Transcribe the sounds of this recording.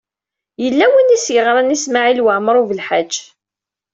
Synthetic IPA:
jəlːæwənisjəʁɾˤanismaʕilwəʕməɾˤuvəlħad͡ʒː

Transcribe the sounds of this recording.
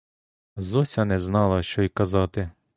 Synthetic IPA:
zɔsʲɐnɛznɑlˠɐʃt͡ʃɔjkɐzɑt̪ɪ

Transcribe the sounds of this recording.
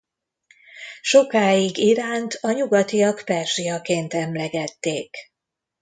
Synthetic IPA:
ʃo̞kaːjiɡiɾaːnt̪ʰɒɲuɡɒt̪ijɒkpɛrʒijɒkeːnt̪ɛmlɛɡɛt̪ːeːk

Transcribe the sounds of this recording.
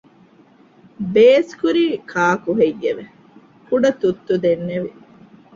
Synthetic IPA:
beːskuɾiːkʰaːkuɦejːeʋe | kuɖɐt̪ut̪ːud̪enːeʋi

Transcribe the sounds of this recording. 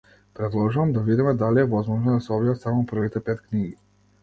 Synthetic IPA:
pɾɛd̪lˠɔʒuvamd̪avid̪imɛd̪aliɛvɔzmɔʒnɔd̪asɛɔbjat̪samɔpr̩vit̪ɛpɛt̪kniɡi

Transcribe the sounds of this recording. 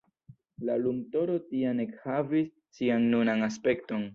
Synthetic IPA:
lalumto̞ɾotiane̞khavisːianːunanaspe̞kto̞n

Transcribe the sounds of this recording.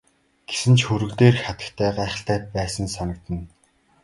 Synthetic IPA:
ɡ̥e̥sɘ̆nt͡ɕxɵɾɵ̆kt̪eːrxat̪ə̥̆kt̪ʰæːɢæːχə̆ɬt̪æːpæːsə̆nsanə̆k̚t̪ə̆n

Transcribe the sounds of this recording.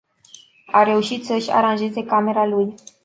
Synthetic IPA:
aɾe̞uʃit̪səʃʲa̰ɾanʒe̞ze̞kame̞ɾaluj

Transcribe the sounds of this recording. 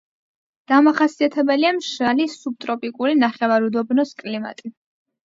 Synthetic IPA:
d̪̥amaχasiat̪ʰɛbɛliamʃalisub̚t̪ʼɾɔpʼikʼuɾinaχɛvaɾud̪ɔbnɔskʼlima̰t̪ʼi

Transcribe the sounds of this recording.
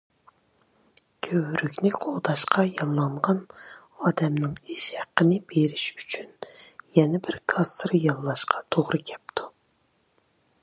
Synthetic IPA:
kʲʰøwɾykʲnɪqʰod̪ɑʃqʰɑjɑlˠːɑɴʁɑn | ɑːd̪ɛmnɨŋiʃhæqːənɪb̥eɾɪʃyt͡ʃʰynjɛnɛbɪɾkʰɑst̪ɾɨjɑlˠːɑʃqʰɑ̥t̪ʰoʁɾɨkʲʰɛp̚t̪ʰu̥

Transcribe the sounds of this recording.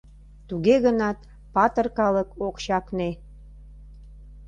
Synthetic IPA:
t̪uɣeɣə̆nɑt̪ | pɑt̪ə̆rkɑlə̆kokɕɑkne

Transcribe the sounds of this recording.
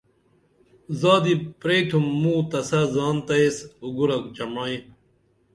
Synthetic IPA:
zaːd̪ipɾeːʈʰumːuːt̪ɐsazaːnt̪ɐesuɡuɾɐkd͡ʑɐmaːĩ

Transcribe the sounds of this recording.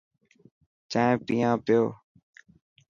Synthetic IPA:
t͡ʃãːẽːpiːãːpɪjoː

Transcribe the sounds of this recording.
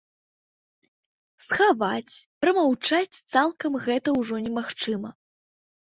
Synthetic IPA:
sxavat͡sʲpɾɐmawt͡ʂat͡sʲt̪salˠkɐmɣɛt̪ɐwʐɔnʲɛmaxt͡ʂɨmɐ

